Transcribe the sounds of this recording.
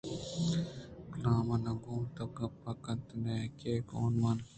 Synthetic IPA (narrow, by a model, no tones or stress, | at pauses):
klaːmɐnɐɡuːmt̪ɐɡɐpːɐkɐnt̪neːkeːko̰ːnʋɐn